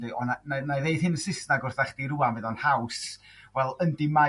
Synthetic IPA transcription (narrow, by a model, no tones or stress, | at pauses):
dɨɔnananajðejðhɪnəsɪsnaɡʊrθɛχd̥iɾuanmvɨðɔnhaws | vɛlˠəndima